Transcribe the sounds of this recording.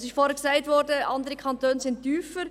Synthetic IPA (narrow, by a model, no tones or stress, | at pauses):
sɪʃfɔːɾhɛksaɪtvʋɔɾdəʔɑndəɾəkʰɑntøːnsɪnttːyːfəɾ